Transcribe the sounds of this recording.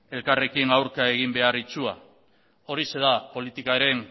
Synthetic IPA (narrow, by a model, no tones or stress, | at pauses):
e̞lkare̞kinawɾkae̞ɣ̞imbe̞arit͡sua | o̞ɾise̞ðapo̞lit̪ikaɾe̞n